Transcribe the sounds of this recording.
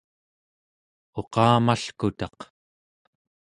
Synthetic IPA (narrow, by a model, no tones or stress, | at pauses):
o̞qɑːmaɬkut̪ɑq